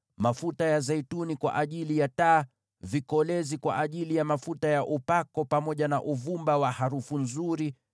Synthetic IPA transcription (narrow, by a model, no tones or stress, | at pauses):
mafutajazɛitunikwa̰ʔaʄilijataː | vikɔlɛzikwa̰ʔaʄilijamafutajaʔupakɔpamɔʄanaʔuvumbawahaɾufunzuɾi